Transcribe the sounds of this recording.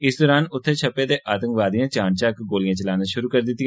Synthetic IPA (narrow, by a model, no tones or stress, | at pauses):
ɪsd̪ɔːɾaːnʊt̪ʰːet͡ʃʰɐpːed̪eʔaːt̪ə̃ŋkʋaːd̪ijãt͡ʃãːnt͡ʃaːkɡoːlijãːt͡ʃɐlaːnaʃʊɾukɐɾd̪ɪt̪ːĩ